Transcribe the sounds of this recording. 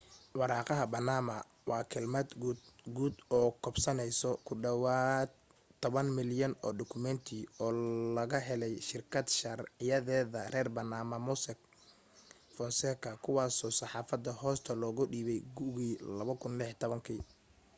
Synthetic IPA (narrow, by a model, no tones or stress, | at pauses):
wɑɾɑːqɑɦɐbɐnaːmɐ | wɑːkʰɐlmɐd̪ɡd̪ɡuːd̪ɔːkʰɔbsɐnɛjsɔkʰʊɖɐwaːd̪ʰ | ɔβɐnmɪljɐnɔːɖʊkʰʊmɛnt̪ʰiɔːlɐɣɐɦɛlɛjʃɪrkʰɐd̪ʃɐrʕɪjɐðɛːðɐrɛːrbɐnaːmɐmʊsɛk | fɔnsɛkʰɐkʰʊwɑːsɔːsɑħɑːfɐd̪ːɐhɔːst̪ʰɐlɔːɣʊɖiːβɛjɡʊɣiːlɐβɐkʰʊnlɪħt̪ʰɔβɐŋkʰi